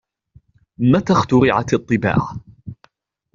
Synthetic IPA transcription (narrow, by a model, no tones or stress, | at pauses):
mat̪axt̪ʊɾɪʕa̰t̪ɑt̪ˤːɨba̰ːʕa